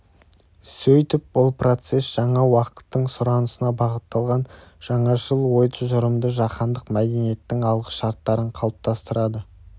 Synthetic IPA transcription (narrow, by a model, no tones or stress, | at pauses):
sɵjt̪ɪp̚bʊlˠpro̞t̪se̞sʒ̥ɑɴɑwɑqə̥t̪ːəɴsʊɾɑnəsənɑbɑʁət̪ːɑlˠʁɑnʒ̥ɑɴɑʒəlˠwo̞jt̪ʒʊɾəmd̪əʒɑqɑnd̪əqmæd̪e̞nije̞t̪ːɪŋɑlˠʁə̥ʃɑɾt̪ːɑɾəɴqʰɑlˠəp̚t̪ʰɑst̪əɾɑd̪ə